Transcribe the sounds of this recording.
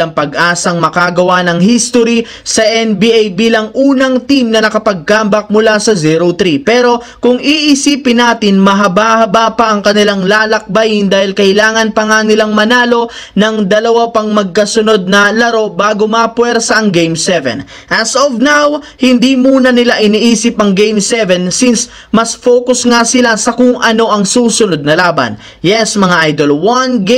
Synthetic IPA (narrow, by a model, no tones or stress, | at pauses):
ɐŋpɐɡʔaːsɐŋmɐkaɡɐwanɐŋhist̪oɾi | sɐʔɛnbiʔajbiːlɐŋʔuːnɐŋt̪imnɐnɐkɐpɐɡ̚kambɐk̚mʊlasɐziɾot̪ɾipɛːɾo̞ | kʊŋiʔɪsiːpɪnaːt̪ɪnmɐɦɐbahɐbapɐʔɐŋkɐnɪlaŋlaːlɐk̚bɐjɪnd̪aːhɪlkɐʔɪlaːŋɐnpɐŋanɪlaŋmɐnaːlo̞ | nɐŋd̪ɐlɐwapɐŋmɐɡ̚kɐsʊno̞d̪̚nɐlɐɾo̞baːɡomɐpwɛɾsɐʔɐŋɡejmsɛvɛ̰n | ʔɐsovnawhɪnd̪iːmuːnɐnɪlaʔɪniʔiːsɪpʔɐŋɡejmsɛvɛnsins | mɐsfoːkʊsŋasɪlasɐkʊŋʔɐno̞ʔɐŋsuːsʊno̞d̪̚nɐlaːbɐ̰n | jɛsmɐŋaʔajd̪olwanɡ